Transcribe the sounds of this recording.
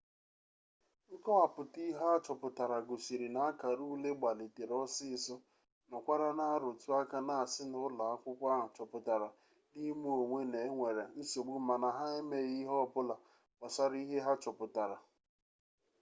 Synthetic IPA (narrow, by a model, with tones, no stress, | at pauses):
ŋ̩˦kɔ˦a˨pʊ˨ti˦ɦa˦t͡ʃɔ˨pʊ˨ta˨ɾa˨ɡo˨si˨ɾi˨na˨a˦ka˨ɾu˦le˦ɡ͡ba˨li˨te˨ɾɔ˦sɪ˦sɔ˦ | nɔ˨kʷa˦ɾa˦na˦a˦ɾo˨tu˦a˦ka˦na˨a˨sɪ˦nʊ˦la˨a˦kʷʊ˦kʷa˦ɦa˨t͡ʃɔ˨pʊ˨ta˨ɾa˨ | ni˦mu˦o˨ŋʷe˦ne˨˦ŋʷe˨ɾe˨n̩˦so˨ɡ͡bu˦ma˨na˨ɦa˦e˦me˦ɣi˦ɦɔ˦˨pʊ˦la˨ | ka˨sa˦ɾi˦ɦe˦ɦa˦t͡ʃɔ˨pʊ˨ta˨ɾa˨